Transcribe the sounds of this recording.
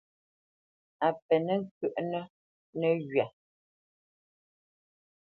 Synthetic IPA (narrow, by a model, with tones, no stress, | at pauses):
a˨pɛ˨nɛ˦ŋ˦k̚ʉ˨ʔnə˦ | nɛ˦ɣɥa˨